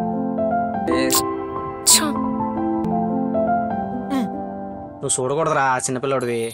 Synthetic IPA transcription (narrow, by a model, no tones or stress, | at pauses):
eɾ | t͡ʃa | nusuːɽɐkɔɽɐd̪ɐɾaːt͡ʃinːɐpilːɐɽɐd̪i